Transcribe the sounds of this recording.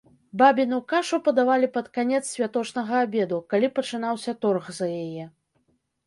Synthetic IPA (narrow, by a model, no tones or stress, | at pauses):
babʲinukaʂupɐd̪avalʲipɐt̪kanʲɛt̪ssʲvʲat̪ɔt͡ʂnɐɣɐːbʲɛd̪ukalʲipɐt͡ʂɨnawsʲɐt̪ɔrɣzɐjajɛ